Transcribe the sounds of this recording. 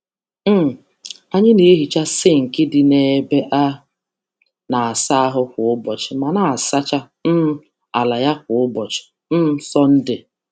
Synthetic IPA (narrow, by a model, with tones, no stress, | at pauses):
m̩˦˨ | a˦ɲɪ˦ne˦ɦi˨t͡ʃa˦sɪ˦ŋ̩˨kɪ˦dɪ˨ne˨˦be˦ʔa˦ | na˨a˨sa˦a˦ɦʊ˦kʊ˨ʊ˦bɔ˨t͡ʃɪ˨ma˨na˨a˨sa˦t͡ʃa˦ | n̩˦ | a˨la˨ja˦k̚ʊ˨ʊ˦bɔ˨t͡ʃɪ̥˨ | n̩˦m̩˦sɔ˦n̩˦dɪ˨